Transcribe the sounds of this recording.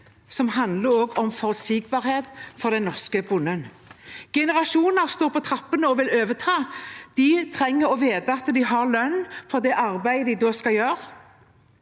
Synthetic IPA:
sɔmhɑnd̪ləɾoːɡɔmfɔʁsiːɡbɑːʁheːt̪fɔʁd̪ɛnːɔʁskəbʊnən | ɡ̥ɛnəʁɑʃuːnəʁst̪oːɾpʰɔt̪ʰɾɑpːənəɔʋɪløːʋət̪ʰɑːd̪̥ɪt̪ʰʁɛŋːəɾɔʋeːd̪əɑt̪d̪ɪɦɑʁlœnːfɔd̪ɛʔɑʁbæɪd̪ɪd̪oːskɑjøːɾ

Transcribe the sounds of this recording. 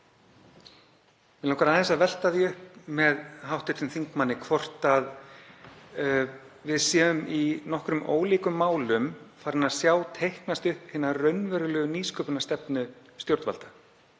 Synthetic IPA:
vɪlahkvaɾaɛnsaðvɛl̥t̪aðjɛʏhp̚mɛðɦawht̪ʏɾ̥t̪ɪnθiŋkmanːɪkʰvɔr̥t̪að | vɪðsjɛːʏminɔhkɾʏmo̰ːwliːkʏmːaːwlʏmfaːɾɪnaðsjaːwt̪ʰejhknast̪ʏhphɪnːarœɥnvɛɾʏlœːɣʏniːskʰœːpʏnast̪ɛpnʏ | st̪jowɾt̪va̰lt̪ḁ

